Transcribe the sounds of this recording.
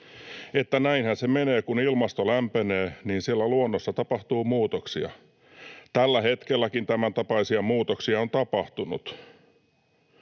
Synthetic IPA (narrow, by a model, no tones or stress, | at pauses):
et̪ːænæinhænsemeneːkunilmɑst̪olæmpeneːniːnsielːæluonːosːɑt̪ɑpɑht̪uːmuːt̪oksiɑ̰ | t̪ælːæhet̪kelːækint̪æmænt̪ɑpɑisiɑmuːt̪oksiɑont̪ɑpɑht̪unṵt̪